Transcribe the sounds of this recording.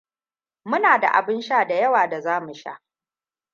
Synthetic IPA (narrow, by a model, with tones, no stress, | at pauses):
mʊ˦naː˨da̰˨ʔa̰˨bɪ˦nʃaː˦da˨jɐ˦waː˨da˨zaː˦mu˨ʃa̰˦ʔ